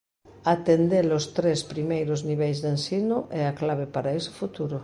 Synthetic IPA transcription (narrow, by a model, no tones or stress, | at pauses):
at̪end̪elost̪ɾespɾimejɾozniβejzðensinʊʔɛaklaβ̞epaɾaese̥fut̪uɾʊ